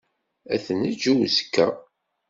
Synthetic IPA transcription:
æθnəd͡ʒuwzə̥kːə̰

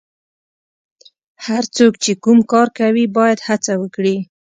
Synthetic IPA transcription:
haɾt͡sokt͡ʃekumkɑɾkawibɑjad̪hat͡sawəkɽi

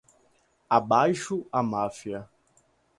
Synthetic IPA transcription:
abajʃʊamafiɐ

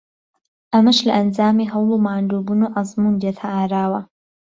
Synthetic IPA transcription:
ʔɐmɐʃlɐ̰ʔɐnd͡zaːmiːɦɐwlˠuːmaːnd̪uːbuːnuːʔɐzˤmuːnd̪et̪ʰaʔaːɾaːwɐ

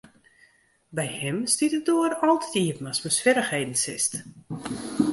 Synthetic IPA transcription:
bɛjhɪmstitədoəɾɔlˠtətiəpnasməsfɪɾəxhejdən̩sɪst

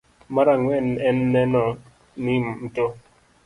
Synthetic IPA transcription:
maɾaŋwɛnɛnːɛnɔ | nimn̩to

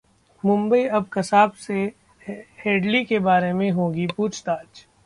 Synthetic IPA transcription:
mʊ̃mbəiɐbkɐsaːbse | heːɖlikebaːɾemẽɦõːɡipuːt͡ʃʰt̪aːd͡ʒ

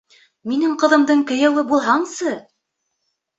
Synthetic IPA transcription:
minɘŋqɤ̆ðɤ̆md̪ɤɴkɵ̆jæwɘbulˠɦɑɴsɤ

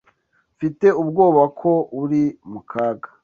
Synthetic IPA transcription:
fite̞ubɡo̞ːβakʰo̞ʔuɾimukʰaːɡa

